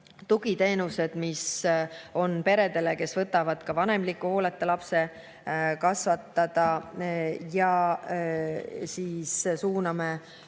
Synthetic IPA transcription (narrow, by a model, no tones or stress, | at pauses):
t̪uɡ̥it̪e̞ːnuse̞d̪̥mis | o̞npe̞ɾe̞d̪e̞le̞ke̞svɤt̪ːˑɑvɑd̪̥kɑvɑne̞mlikːˑuho̞ːlet̪ːˑelɑpse̞ | kɑsvɑt̪ːˑɑd̪̥ɑ | jɑ | siːssuːnɑme